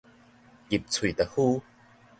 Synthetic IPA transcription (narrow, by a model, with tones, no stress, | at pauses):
ɣi˨˩p̚t͡sʰu˨˩˨t̪ɐ˨huː˥˧